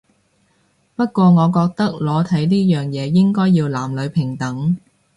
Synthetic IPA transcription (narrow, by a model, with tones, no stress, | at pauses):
pɐ˥t̚kʷɔː˧ŋɔː˨˧kɔː˧k̚t̪ɐ˥k̚lɔː˨˥t̪ʰɐ˨˥jniː˥jœː˨ŋjɛː˨˧jɪ˥ŋkɔː˥jiː˧wlaː˨˩mlɵ˨˧ɥpʰɪ˨˩ŋt̪ɐ˨˥ŋ